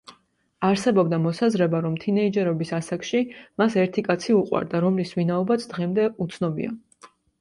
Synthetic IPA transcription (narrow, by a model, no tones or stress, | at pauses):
aɾsɛbɔbd̪amɔsazɾɛbaɾɔmt̪ʰinɛid͡ʒɛɾɔbisasakʃimasɛɾt̪ʰikʼat̪sʰiuqʼwa̰ɾd̪aɾɔmlisvinaɔbat̪sʰd̪̥ʁɛmd̪ɛut̪sʰnɔbḭa̰